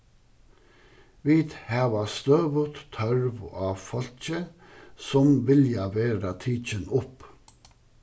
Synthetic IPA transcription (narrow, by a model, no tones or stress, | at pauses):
ʋiːd̪hæːʋɑst̪øːʋət̪t̪ʰœɹʋɑːfɔlc͡çə | sɔmʋɪljɑʋeːɾət̪ʰiːt͡ʃənʊp